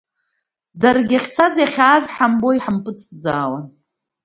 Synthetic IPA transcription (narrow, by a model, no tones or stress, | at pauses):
darɡʲaχʲt͡sʰazjaχʲaːzħambo̞iħampʼɨt͡sʼd͡zaːwan